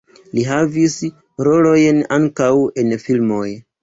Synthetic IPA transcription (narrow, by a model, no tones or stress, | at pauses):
liɦavis | ɾo̞lo̞jnaŋkawe̞nfilmo̞j